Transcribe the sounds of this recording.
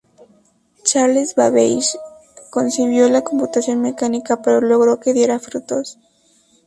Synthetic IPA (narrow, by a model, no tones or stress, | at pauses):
t͡ʃaɾlezβaβejʃ | ko̞nsiβjo̞lako̞mput̪asjo̞nme̞kanikapeɾo̞lo̞ɣɾo̞ke̞ðje̞ɾafɾut̪o̞s